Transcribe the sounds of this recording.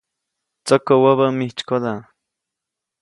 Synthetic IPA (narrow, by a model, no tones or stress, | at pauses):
t͡sakowaβamiht͡ʃkod̪a